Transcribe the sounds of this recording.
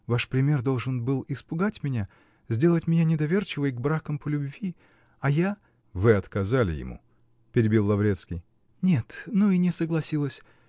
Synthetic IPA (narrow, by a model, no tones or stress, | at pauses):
vaʂpɾʲɪmʲe̞rd̪o̞lˠʐɨnbɨlˠɪspʊɡatʲmʲɪnʲa | zʲdʲe̞lˠətʲmʲɪnʲanʲɪd̪ɐvʲe̞rt͡ɕɪvəjɡbɾakəmpəlʲʊbvʲi | ɐja | vɨɐt̪kɐzalʲɪ̰jɪ̰mṵ | pʲɪɾʲɪbʲilˠːɐvɾʲet̪skʲɪj | nʲe̞t̪nuinʲɪsəɡlˠɐsʲilˠəsʲ